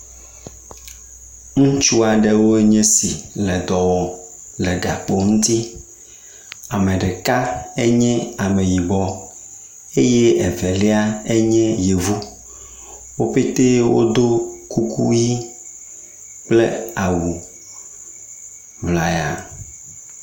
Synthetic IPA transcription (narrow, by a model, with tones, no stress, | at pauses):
ŋũ˦t͡ʃu˦a˨ɖe˦wo˦e˦ɲɛ̃˦si˨lɛ˨d̪ɔ˨wɔ˨ | lɛ˨ɡa˨k͡po˦ŋũ˦t̪i˦ | a˨me˨ɖɛ˨ka˦e˦ɲɛ̃˦a˨me˨ji˨bɔ˦ | e˦jɛ˦e˨vɛ˨lɛ˦a˦e˦ɲɛ̃˦je˨vu˦ | wo˦ɸe˦t̪e˦wo̰˦d̪o˦ku˦kʰṵ˦ji˦ | k͡plḛ˦a˨wu˨ | vla˨ja̰˨